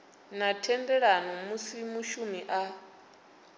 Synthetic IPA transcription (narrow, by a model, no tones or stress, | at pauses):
natʰɛndɛɺanɔmusimuʃumiʔa